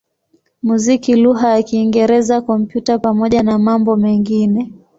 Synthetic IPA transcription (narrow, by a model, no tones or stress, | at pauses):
muzikiluɦajakiːŋɡɛɾɛzakɔm̩pjutapamɔʄanamambɔmɛŋɡinɛ